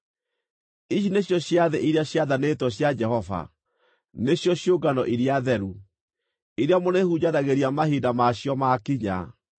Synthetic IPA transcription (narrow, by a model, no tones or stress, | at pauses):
iɕineɕjɔɕjaðɛʔiɾeaɕjaðanetwɔɕjad͡ʒɛhɔva̰ | neɕjɔɕjoɡanɔʔiɾiaðɛɾu | iɾeamonehud͡ʑaðaɣeɾiamahidamaɕjɔmakiɲa̰